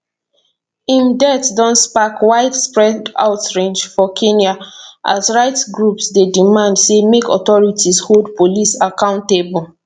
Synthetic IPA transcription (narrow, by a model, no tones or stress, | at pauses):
ĩmdɛtdɔ̃nspakwaɪdspɹɛda̰ʊtɹẽnd͡ʒfɔkʰẽnjaʔa̰sɹaɪtsɡɹupsdedimãndsemekɔ̰tɔɹitʰisholdpolisakãʊ̃ntebul